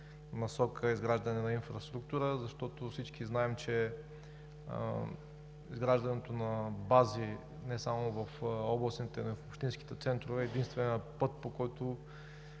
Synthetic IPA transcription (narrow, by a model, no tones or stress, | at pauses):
nɐsɔkʰəizɡɾaʒd̪ɐnɛnɐinfɾɐst̪ɾukt̪uɾəzɐʃt̪ɔt̪ofsit͡ʃkiznaɛmt͡ʃɛ | izɡɾaʒd̪ɐnɛt̪onɐbazi | nɛsamʊvɐfɔblˠɐsnit̪ɛnoifopʃt̪insk̟i̥t̪ɛt̪sɛnt̪ɾovɛːd̪inst̪vɛnʲəpɤt̪̚pokɔjt̪o